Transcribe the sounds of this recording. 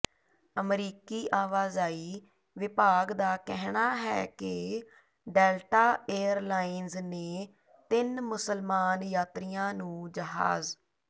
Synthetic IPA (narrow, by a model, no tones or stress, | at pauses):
əmɾiːkiːʔaːʋaːzaːiː | ʋɪpaːɡd̪aːkɛɦɳaːɦɛːkɪ | ɖɛːlʈaːeːəɾlaːinzneː | t̪ɪnmʊsəlmaːnjaːt̪ɾijãːnũːd͡ʒəɦa̰ːz